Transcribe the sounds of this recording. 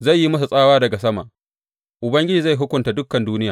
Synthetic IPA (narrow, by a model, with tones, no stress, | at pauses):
za˦˨jːi˦mɐ˦s̬u˨sʼaː˦waː˦dɐ˨ɡa˨sɐ˦ma̰˨ʔ | ʔʊ˨bɐ˦ŋɡʲɪ˦d͡ʒiː˨za˦˨jɦʊ˦kʷʊ˨nta˨dʊ˦kːɐ˨nduː˦nɪ˦jaː˨